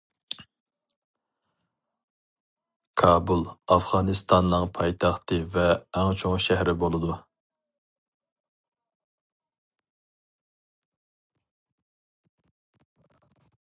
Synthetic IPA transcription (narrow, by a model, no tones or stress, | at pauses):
kkʰɑːbulˠɑfʁɑnɨst̪ʰɑnːɨŋpʰɑjt̪ʰɑχt̪ɨvɛːŋt͡ʃʰoŋʃɛhɾɪbolˠɨd̪u